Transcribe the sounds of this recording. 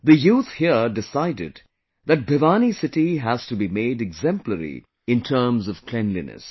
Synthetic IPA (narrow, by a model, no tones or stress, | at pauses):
ðəjuːt̪hiədɪsaɪdɪ̰d | ðɨt̚bʱɪʋanisɪʈiɦæz̥tubimeɪdɛɡzɛ̃mpləɾḭ | ɪ̃ntʰəːmzʌv̥kʰl̥ɛ̃nlḭnɨ̰s